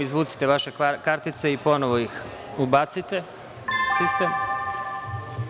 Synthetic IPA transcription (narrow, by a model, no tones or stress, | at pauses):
izʋuːt̪si̥t̪eʋaʃekaɾt̪it̪seipo̞noʋojix | ubat̪sit̪e̞ | sist̪em